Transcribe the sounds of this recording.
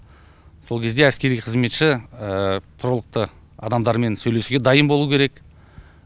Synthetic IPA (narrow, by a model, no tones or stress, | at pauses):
so̞lˠkʲʰe̞zd̪e̞æskʲe̞ɾijqʰəzme̞t̪ʃɪət̪ʰʊɾəlˠəq̚t̪ə | ɑ̰d̪ɑmd̪ɑɾme̞nsɵjle̞suɡʲe̞d̪ɑjəmbolˠukʲʰe̞ɾe̞k